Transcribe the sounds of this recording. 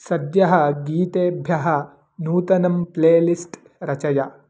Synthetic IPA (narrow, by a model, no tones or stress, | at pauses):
sɐd̪jɐɦɐɡiːt̪eːbʱjɐɦɐ | nuːt̪ɐnɐmpleːlisʈ | ɾɐt͡ʃɐjɐ